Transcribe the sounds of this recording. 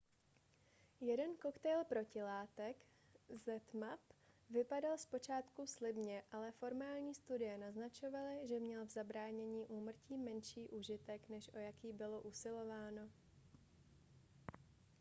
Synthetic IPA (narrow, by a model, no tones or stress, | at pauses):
jɛdɛnko̞kt̪ɛjlpɾo̞cɪlaːt̪ɛk | zɛt̪mapvɪpadalspo̞t͡ʃaːt̪kuslɪbɲɛʔalɛfo̞ɾmaːlɲiːst̪udɪjɛnaznat͡ʃo̞valɪʒɛmɲɛlvzabɾaːɲɛɲiːʔuːmr̩ciːmɛnʃiːʔuːʒɪt̪ɛknɛʃʔo̞jakiːbɪlo̞ʔusɪlo̞vaːno̞